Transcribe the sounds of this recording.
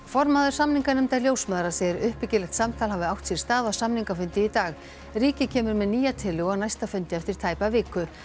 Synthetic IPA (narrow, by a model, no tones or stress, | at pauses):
fɔɾmaːðʏɾ̥samniŋkanʏmt̪aljoːwsmaːðɾasɛɪɾʏhpɪcɪlɛxt̪samt̪ʰalɦavɪawht̪sjɛɾ̥st̪aːðasamniŋkafʏnt̪ɪit̪aːɣ | riːcɪcʰɛːmʏɾmɛðniːjat̪ʰɪlʏɣɔɣnajst̪afʏnt̪ɪɛft̪ɪɾ̥t̪ʰaːjpavɪːkʏ